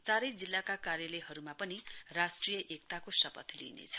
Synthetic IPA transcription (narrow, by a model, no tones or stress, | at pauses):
t͡saɾʌjd͡zilːakakaɾjʌleɦʌɾumapʌnirasʈrijʌʔek̚t̪akosʌpʌt̪lḭnḛt͡sʰʌ̥